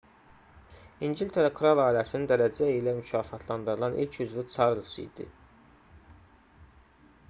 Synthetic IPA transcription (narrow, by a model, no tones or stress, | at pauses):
inɟilt̪ʰeɾɑkʰɾɑlˠɑːilæsinind̪æɾæd͡ʒæilæmycʰɑːfɑt̪ʰlˠɑnd̪ɯɾɯlˠɑnʔḭlcʰyzvit͡sʰɑɾlˠɯsɯ̰d̪̥ḭ